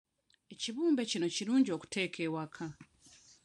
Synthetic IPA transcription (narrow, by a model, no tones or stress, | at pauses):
e̞ciβuːmbe̞cino̞ciɾuːɲɟio̞ku̥te̞ːkʰe̞ːwakʰa